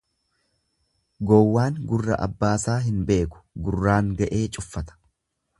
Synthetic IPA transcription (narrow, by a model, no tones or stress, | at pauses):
ɡɔwːaːŋɡʊrːɐ̰ʔɐ̰bːaːsaːɦɪnbe̞ːkʊ̥ɡʊrːaːŋɡɐʔe̞ːt͡ʃʼʊfːɐt̪ɐ̥